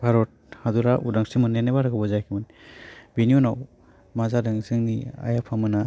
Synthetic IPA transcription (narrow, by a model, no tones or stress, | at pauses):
bʱaɾɔt̚had̪uɾaʔudaŋsimɯnːenabaɾaɡabɔzajkʰimɯnbeniunaw | mazadɯŋzɯŋnia̰japʰamɯna